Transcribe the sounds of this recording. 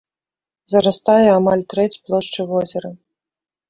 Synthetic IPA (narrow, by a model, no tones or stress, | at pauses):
zɐɾast̪ajɛamalʲt̪ɾɛt͡sʲplˠɔʂt͡ʂɨvɔzʲɛɾɐ